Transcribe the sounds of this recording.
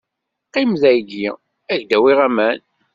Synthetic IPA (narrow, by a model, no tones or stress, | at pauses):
qːimðæjɡi | æʝd̪æwiʁæmæn